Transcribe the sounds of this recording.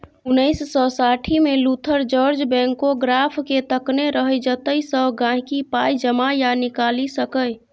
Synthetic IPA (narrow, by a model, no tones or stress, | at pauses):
unəɪsːɔsaʈʰimelut̪ʰəɾd͡ʒəɾd͡ʒbɛ̃ŋkoɡɾapʰket̪əkneɾəɦəd͡ʒət̪əisəɡãɦkipajd͡ʒəmajanikalisəkəj